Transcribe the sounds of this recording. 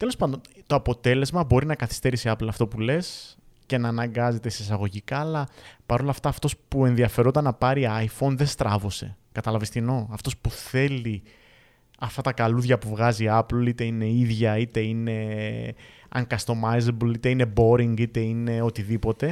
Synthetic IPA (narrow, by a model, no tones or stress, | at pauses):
t̪e̞lo̞spɐnd̪ont̪o̞ɐpo̞t̪e̞le̞zmɐbo̞ɾinɐkɐθi̥st̪e̞ɾisiɐplɐft̪o̞pule̞scenɐːnɐŋɡɐze̞t̪eses̬ɐɣo̞ʝikɐːlɐpɐɾo̞lɐft̪ɐːft̪o̞spue̞nðiɐfe̞ɾot̪ɐnɐpɐɾiɐjfo̞nðest̪ɾɐvo̞se̞̰kɐt̪ɐlɐvest̪ino̞ɐft̪o̞spuθe̞li | ɐft̪ɐt̪ɐkɐluðʝɐpuvɣɐziɐplit̪e̞ine̞iðʝɐit̪e̞ine̞ | ɐ̰ŋkɐst̪o̞majzeblit̪e̞ine̞bo̞ɾiŋɡit̪e̞ine̞o̞t̪iðipo̞t̪e̞